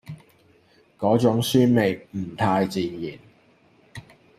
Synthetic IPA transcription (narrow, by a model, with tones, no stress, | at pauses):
kɔː˨˥t͡sʊ˨˥ŋsyː˥nme˨˩jm̩˨˩t̪ʰaː˧jt͡siː˨jiː˨˩n